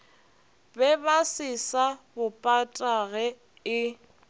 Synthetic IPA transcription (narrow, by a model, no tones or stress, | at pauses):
bɛbasɪsabʊpʼatʼaɣɛ | ɪ